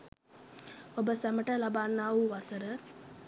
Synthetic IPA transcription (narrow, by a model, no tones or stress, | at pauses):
obəsaməʈəlabaːnːaːuʋasəɾə